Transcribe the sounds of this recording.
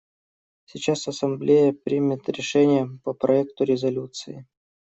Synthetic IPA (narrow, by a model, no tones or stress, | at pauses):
sʲɪt͡ɕasɐsɐmblʲejəpɾʲimʲɪt̪ɾʲɪʂɛnʲɪjəpəpɾʔɐɛk̚t̪ʊɾʲɪzɐlʲut̪sɨɪ